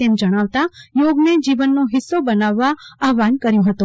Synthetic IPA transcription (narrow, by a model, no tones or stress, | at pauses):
emd͡ʒəɽ̃aʋt̪ajoːɡned͡ʒiʋənːoɦɪsːobənaʋːaaɦʋankəɾjũɦət̪ũ